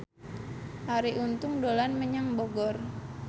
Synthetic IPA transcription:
ʔaɾiʔunt̪ʊŋdolanməɲaŋboɡɔr

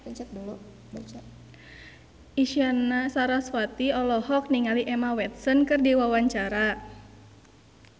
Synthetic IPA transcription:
bəɲt͡ʃət̪̚dulu | bat͡ʃa | ʔiʃianasaɾaswat̪iɔlɔɦɔk̚niŋaliʔɛmawɛt̪̚sɔnkɨrdiwawaɲt͡ʃaɾa

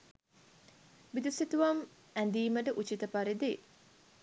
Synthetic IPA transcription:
bid̪usit̪uʋɐm | ænd̪iːməʈəʔut͡ʃit̪əpaɾed̪e

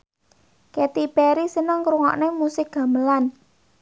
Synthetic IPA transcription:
kɛt̪ipɛɾisənəŋkɾuŋɔ̰ʔnemusɪk̚ɡ̥a̤məlan

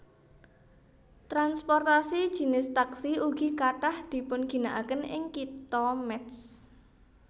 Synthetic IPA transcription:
t̪ɾanspɔrt̪asid̥ʒ̥i̤nɪst̪aksiuɡ̥ikaʈahd̪̥i̤pʊnɡ̥i̤naʔakənɪ̰ŋkit̪ɔmɛt̪s

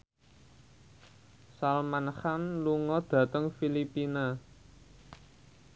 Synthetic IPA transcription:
salmanxanluŋɔd̪̥ä̤t̪əŋfilipina

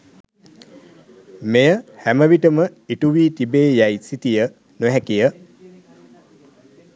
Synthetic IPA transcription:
mejəhæməʋiʈəməiʈuʋiːt̪ibeːjajsit̪ijə | nuɦɛkijə

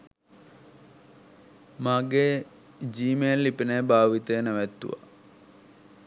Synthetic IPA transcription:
maɡe | d͡ʒiːmelːipinejbaːʋit̪ənəʋæt̪ːṵʋa̰

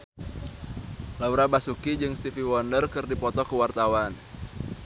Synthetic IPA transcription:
lauɾabasukid͡ʒɨŋst̪ifiwɔndərkɨrdipɔt̪ɔkəwart̪awan

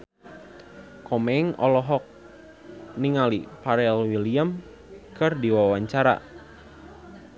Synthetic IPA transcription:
kɔmɛŋɔlɔɦɔk̚ | niŋalipaɾɛlwiliam | kɨrdiwawaɲt͡ʃaɾa̰

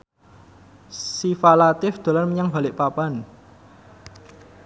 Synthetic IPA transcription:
sifalat̪ɪfd̪̥o̤larməɲaŋba̤lɪʔpapan

